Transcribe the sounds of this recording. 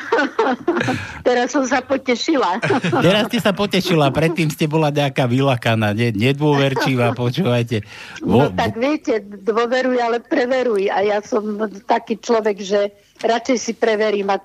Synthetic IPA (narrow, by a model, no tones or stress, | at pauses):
t̪ɛɾasːɔmsapɔcɛʃilat̪ɛɾasscɛsapɔcɛʃilapɾɛt̪ːiːmscɛbɔlaɲɛakaːʋilakanaːɲɛɲɛd̪ʊɔʋɛɾt͡ʃiʋaːpɔt͡ʃuːʋajcɛ | nʋɔt̪aɡʋɪɛcɛd̪ʋɔʋɛɾujalɛpɾɛʋɛɾujajasɔmt̪akiːt͡ʃlɔʋɛɡʒɛ | ɾat͡ʃɛjsipɾɛʋɛɾiːma